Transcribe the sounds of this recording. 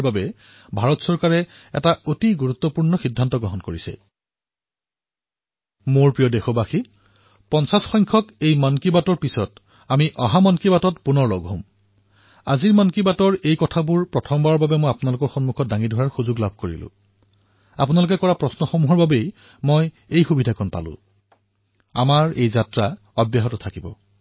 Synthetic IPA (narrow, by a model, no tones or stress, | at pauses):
babɛ | bʱaɹɔtsɔɹkaɹɛ | ɛ̰taotiɡuɹut̪ːɔpuɹnɔxidʱːantɔɡɹɔɦɔnkoɹisɛ̰ | moɹpɹijɔdexɔbaxi | pɔnsasxɔjŋkʰɔkejmankibatɔɹpisɔt | amiʔɔɦamankibatɔtpunɔɹlɔ̰ɡɦõm | a̰ziɹmɔnkibatɔɹejkɔtʰabuɹpɹɔtʰɔmbaɔbabɛmojapunalʊkɔɹxɔnmukʰɔt̚daŋidʱɔɹaɹxuzʊɡlab̚ʱkoɹḭlʊ̰̃ | a̰pʊnaluk̬ɛkɔɹapɹɔsnɔxomuɦɔɹbabej | mɔj | ejxubidʱakʰɔnpa̰lʊ̰̃ | a̰maɹejzatɹa | ɔbjaɦɔtɔtʰakibɔ̰